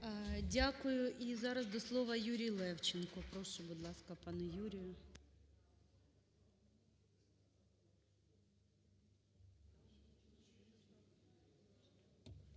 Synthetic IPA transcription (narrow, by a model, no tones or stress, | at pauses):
dʲakʊjʊʔizɑɾɐzd̪ɔslˠɔʋɐjuɾʲijlˠɛwt͡ʃɪnkɔpɾɔʃʊbʊd̪lˠɑskɐpɑnʊjuɾʲɪjʊ